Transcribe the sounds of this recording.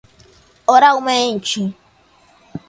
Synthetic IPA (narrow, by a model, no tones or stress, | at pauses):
oɾaumen̩t͡ʃi